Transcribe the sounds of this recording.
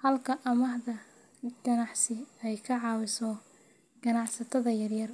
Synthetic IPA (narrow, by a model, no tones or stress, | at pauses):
hɐlkʰɐʔɐmɐhðɐ | ɡɐnɑħsɪɛjkʰɐʕɑːwɪsɔ | ɡ̥ɐnɑʕsɐt̪ʰɐðɐjɐrjɐr